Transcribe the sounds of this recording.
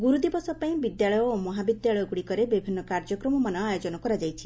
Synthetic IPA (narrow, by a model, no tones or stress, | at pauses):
ɡuɾud̪ibɔsɔpaĩbid̪jaɭɔjɔomɔɦabid̪jaɭɔjɔɡuɽikɔɾebibʱinːɔkaɾd͡ʒɔkɾɔmɔmanɔajod͡ʒɔnɔkɔɾad͡ʒajt͡ʃʰi̥